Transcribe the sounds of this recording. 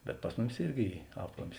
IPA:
bʲɛt ˈpɐs mʊˌmʲɪs ˈɪrʲɡʲɪ ˈiː ˈɑːplˠɐmʲɪs

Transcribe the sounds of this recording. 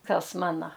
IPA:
ˈkɐs ˈmɑːnɐ

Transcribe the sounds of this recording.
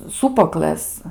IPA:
ˈsuːpuɔklˠɘs

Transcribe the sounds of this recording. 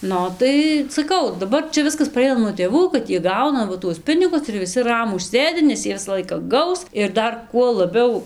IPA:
ˈnʊ ˈoː tɐɪ sɐˈkɐʊ dɐˈbɐr ˈt͡ʃʲɛ ˈʋʲɪskɐs pɐˈrʲɛɪnɐ nuɔ tʲeːˈʋuː kɐt ˈjiɛ ˈɡɐʊnɐ ˈʋɐ tuɔs ˈpʲɪnʲɪɡʊs ɪr ʋʲɪˈsʲɪ ˈrɑːmuːs ˈsʲeːdʲɪ nʲɛs ˈjiɛ ˈʋʲɪsɐ ˈlˠɐɪkɐ ˈɡɐʊs ɪr ˈdɐr kuɔ lˠɐˈbʲɛʊ

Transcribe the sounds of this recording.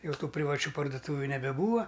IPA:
jɛʊˈtuː pʲrʲɪʋɐˈt͡ʃʲuː pɐrdʊˈtuːʋʲʊ nʲɛbʲɛˈbuːʋɐ

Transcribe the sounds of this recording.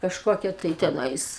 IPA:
kɐʃˈkoːkʲɛ tɐɪ tʲɛˈnɐɪs

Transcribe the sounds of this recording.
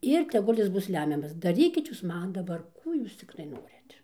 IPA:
ˈɪr tʲɛˈɡʊlʲ ˈjɪs ˈbʊs ˈlʲæːmʲɛmɐs dɐˈrʲiːkʲɪt ˈjuːs ˈmɐn dɐˈbɐr ˈkuː juːs ˈt͡sʲɪktɐɪ ˈnoːrʲɪt

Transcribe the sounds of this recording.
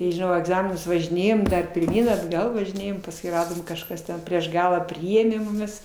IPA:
tɐɪ ʒʲɪˈnɐʊ iː ɐɡˈzɑːmʲɪnʊs ʋɐʒʲɪˈnʲeːjoːm pʲɪrʲˈmʲiːn ɐdˈɡɐlˠ ʋɐʒʲɪˈnʲeːjoːm pɐsˈkʊɪ ˈrɑːdoːm kɐʃˈkɐs tʲɛn pʲrʲiɛʃ ˈɡɑːlˠɑː ˈpʲrʲɪeːmʲeː mʊˈmʲɪs

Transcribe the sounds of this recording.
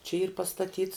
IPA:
t͡ʃʲɛ iːr pɐstɐˈtʲiːts

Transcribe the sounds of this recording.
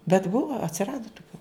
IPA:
bʲɛt ˈbʊʋɐ ɐtʲsʲɪˈrɑːdɐ tʊˈkʲuː

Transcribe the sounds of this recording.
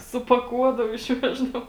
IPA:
sʊpɐˈkuɔdɐʋʊ ɪʃʲˈʋʲæːʒdɐʋʊ

